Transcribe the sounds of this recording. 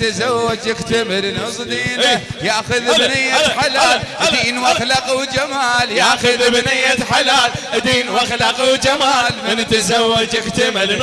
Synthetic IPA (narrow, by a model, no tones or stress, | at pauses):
t̪azawːad͡ʒjɪɡt̪amɪlnʊsˤd̪iːnajaʔxʊðbnɪjːaħalaːtʔd̪iːnwaxlɑqwd͡ʒamaːljaʔxʊðbnɪjːat̪ħalaːt | d̪iːnwaxlaqwd͡ʒamaːlmɪnt̪azawːad͡ʒjɪɡt̪amɪl